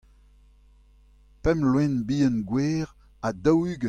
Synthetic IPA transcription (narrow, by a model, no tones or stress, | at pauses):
pɛmlwɛ̃nbiːənɡweːʁ | adɔwyɡə